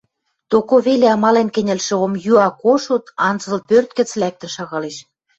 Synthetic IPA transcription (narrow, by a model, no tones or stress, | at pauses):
t̪okoβeleɑmɑlenkɘ̆nʲɘ̆lʃĕomjyɑkoʃut̪ɑnd͡zə̆lpørt̪kə̆t͡slæk̚t̪ə̆nʃɑɣɑleʃ